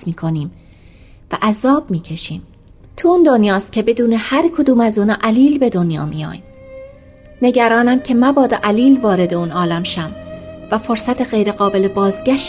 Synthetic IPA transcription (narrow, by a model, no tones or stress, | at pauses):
miːkʰo̞niːm | væʔæzɒːb̥miːcʰe̞ʃiːm | t̪ʰuuːnd̪o̞njɒːst̪̚cʰʲe̞be̞d̪uːnehæɾkʰod̪uːmæzuːnɒːʔæliːlbe̞d̪o̞njɒ̰ːmḭjɒ̰ːjm | ne̞ɟæɾɒːnæmcʰe̞mæbɒːd̪eʔæliːlvɒːɾe̞d̪e̞uːnɒːlæmʃæmvæfo̞ɾsæt̪ʰeɣe̞jɾe̞ɣɒːbe̞lebɒːzɟæʃ